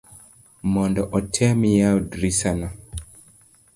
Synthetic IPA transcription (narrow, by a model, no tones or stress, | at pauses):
mɔndɔʔɔtʰɛmijaɔdɾisana